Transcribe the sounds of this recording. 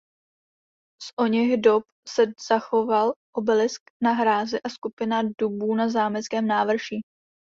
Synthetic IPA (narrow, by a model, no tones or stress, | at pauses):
sʔo̞ɲɛɣdop | sɛz̥axo̞valʔobɛlɪsknaɦɾaːzɪʔaskupɪnadubuːnazaːmɛt͡skɛːmnaːvr̩ʒiː